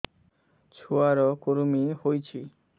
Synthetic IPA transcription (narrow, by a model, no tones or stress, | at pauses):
t͡ɕʰuaɾɔkoɾmihojt͡ɕʰi